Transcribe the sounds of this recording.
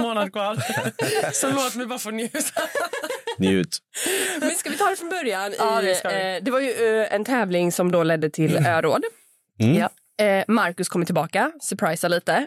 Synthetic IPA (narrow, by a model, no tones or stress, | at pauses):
moːnad̪kʰvɑːɾ | sɔloːt̪mɛjbɑːɾafoːnjʉːt̪ | njʉ̰ːt̪mɛnskavɪt̪ʰɑːɾɛfɾɔnbœɾjanɪd̪ɛvaɾjɵɛnt̪ʰɛːvlɪŋsɔmd̪olɛd̪ːət̪ʰɪløːɾoːd̪ | maɾkɵskʰɔmːəʈʰɪlbɑːkasœɾpʰɾajsaɭiːt̪ə